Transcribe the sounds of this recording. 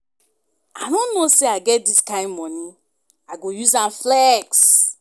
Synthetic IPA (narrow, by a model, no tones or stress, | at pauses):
aɪdõnːoseaɪɡɛt̚diskãɪ̃nmɔni | aɪɡojuzãmflɛks